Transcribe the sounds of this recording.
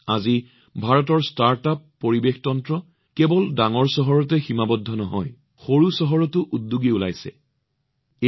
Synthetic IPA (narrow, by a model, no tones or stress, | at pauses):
azi | bʱaɹɔt̬ɔɹstaɹtapːoɹibextɔntɹɔ | kɛbɔldaŋɔɹsɔɦɔɹɔt̬ɛximabɔdʱːɔnɔɦɔ̰j | xoɹusɔɦɔɹɔtʊʔudːuɡiula̰jsɛ̰